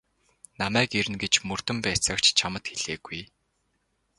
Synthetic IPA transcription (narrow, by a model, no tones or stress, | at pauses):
namæːkeɾɘ̆nɡet͡ɕmɵr̥t̪ɵ̆mpæːt͡səːkt͡ɕt͡ɕʰamə̆t̪xeɮ̥eːɡuj